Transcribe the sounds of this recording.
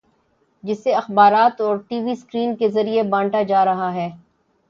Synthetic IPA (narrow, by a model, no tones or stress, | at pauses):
d͡ʒɪsːeɐxbaːɾaːt̪ɔːɾʈiːʋiskɾiːnkezɐɾiebãːɳʈad͡ʒaːɾɐɦaɦɛː